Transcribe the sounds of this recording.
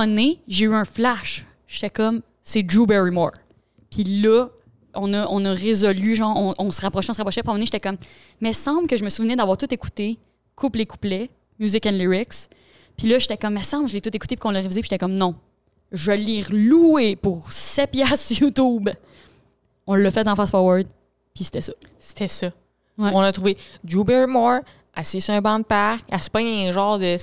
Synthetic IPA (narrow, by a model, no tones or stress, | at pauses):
ɔneʒeyœ̃flaʃ | ʒ̥e̥t̪ɛkɔm | sed͡ʒubɛɹimɔ̰ɹ | pʰilʌ | ɔ̃nʌʔɔ̃nɔʁezɔlyʒɑ̃ɔ̃ʔɔ̃səʁapχʁɔʃɛɔ̃səʁapʁɔʃɛpiɑ̃mɑneiʃet̪ɛkɔmː | ɛsɑ̃blkəʒəməsuvnɛd̪avwaːʁt̪ʊt̪eku̥t̪e | kʰupleku̥plɛ | mjuzɪkɛ̃nliʁɪks | pilʌʒet̪ɛkɔmːɛsɑ̃bʒəlet̪ʊt̪eku̥t̪epi̥kɔ̃ləʁevizepi̥ʒe̥t̪ɛkɔmnɔ̃ | ʒəliʁluepuʁsɛpjɛsjut̪ub | ɔ̃lːʌfɛt̪ɑ̃fasfɔʁwaɹd̪̚ | pise̥t̪ɛsʌ | se̥t̪ʰɛsʌ | wɛɔ̃lət̪ʁuved͡ʒubɛɹmɔɹ | asejsɛ̃bɑ̃d̪̚paʁkaspaɲʒɑ̃ːʁd̪ə